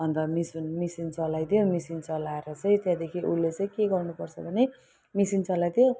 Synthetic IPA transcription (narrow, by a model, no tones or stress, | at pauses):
ʌnt̪ʌmisunmisint͡sʌlajt̪ʰijomisint͡sʌlaeɾʌt͡sʌj̃t̪jãd̪ekʰiʔulːet͡sãĩkeɡʌrnupʌrt͡sʰʌbʱʌne | misint͡sʌlajt̪ʰijo